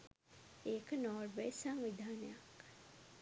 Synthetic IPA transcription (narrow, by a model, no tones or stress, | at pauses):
eːkənɔːɾbesamʋid̪ʱaːnəjak